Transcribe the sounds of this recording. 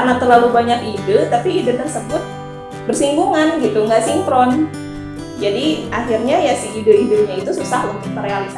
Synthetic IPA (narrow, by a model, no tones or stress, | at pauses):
karnat̪ərlalubaɲakidət̪apiːdət̪ərsəbʊt̪̚ | bərsimbuŋanɡit̪uŋɡaʔsiŋpɾɔn | d͡ʒadiaxirɲajasihidəidəɲait̪ususahunt̪ʊk̚t̪ərealisa